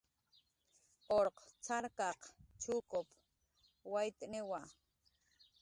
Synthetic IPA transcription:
oɾqt͡saɾkɑqt͡ʃukop | wajt̪newa

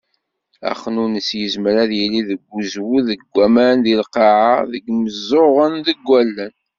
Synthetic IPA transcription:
æ̰χənunəsjəzməɾæðjəlːiðəɡʷːuzwuðəɡʷːæmænðilqɑʕaðəɡməzːoʁənðəɡʷːælːən

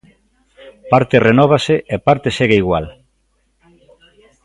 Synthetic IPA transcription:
paɾt̪erenɔβ̞aseʔepaɾt̪eseɣeiɣwa̰l

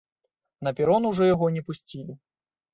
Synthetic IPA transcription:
nɐpʲɛɾɔnuwʐɔjaɣɔnʲɛpusʲt͡sʲilʲi

